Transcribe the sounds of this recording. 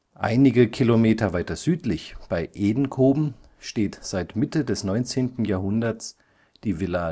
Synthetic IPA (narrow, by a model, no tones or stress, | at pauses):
ʔa̰ɪnɪɡəkʰilomeːtɐvaɪtɐz̥yːtlɪçb̥aɪʔeːdn̩kʰoːbm̩ | ʃteːtz̥aɪtmɪtədɛsnɔʏnt͡seːntn̩jaːɐhʊndɐs | d̥iːvɪla